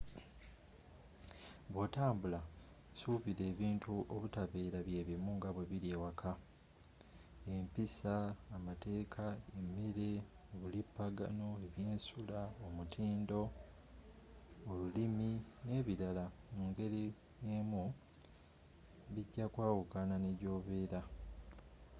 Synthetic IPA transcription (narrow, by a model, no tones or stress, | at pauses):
βwotaːmbula | suːβiɾe̞ːβiːntʰuʔoβutaβeːɾaβje̞ːβimuŋɡaβwe̞βiɾjeːwakʰa | empisaːmate̞ːkʰaemːeɾe̞ | oβulipːaɡa̰no̞e̞βjeːnsulaomutʰiːndo̞ | lulimine̞ːβiɾalamuːŋɡe̞ɾi | jeːmu | βiɟːakwaːwukananeɟo̞ːβe̞ːɾa